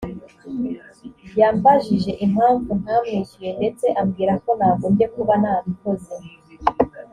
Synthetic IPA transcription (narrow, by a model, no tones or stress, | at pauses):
bjaːmbaʒiʒe̞ʔim̥haːɱvun̥haːmŋicije̞nde̞t͡se̞ʔamɡiːɾako̞naːβoːmɟe̞kuβanaːβikoze